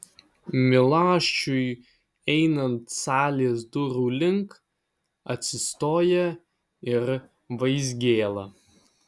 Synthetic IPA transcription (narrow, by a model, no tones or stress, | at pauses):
mʲɪlˠɑːʃʲt͡ʃʲʊj | ɛɪnɐnt̪sɑːlʲeːsd̪ʊɾuːlʲɪŋk | ɐt̪ʲsʲɪst̪oːjɛ | ɪɾ | ʋɐɪzʲɡʲeːlˠɐ